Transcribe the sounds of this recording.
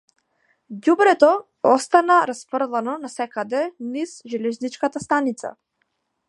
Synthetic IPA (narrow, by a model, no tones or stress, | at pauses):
ɟubɾɛt̪ɔ | ɔst̪anaɾaspr̩lˠanɔnasɛkad̪ɛnizʒɛlɛznit͡ʃkat̪ast̪anit̪sa̰